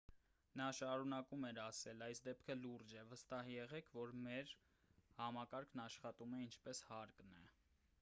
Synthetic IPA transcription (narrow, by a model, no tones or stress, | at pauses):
nɑʃɑɾunɑkumɛɾɑsɛlɑjsd̪ɛpkʰəluɾd͡ʒɛvəst̪ɑɦjɛʁɛkʰvɔɾmɛɾ | hɑmɑkɑɾkʰnɑʃχɑt̪umɛint͡ʃʰpɛshɑɾknɛ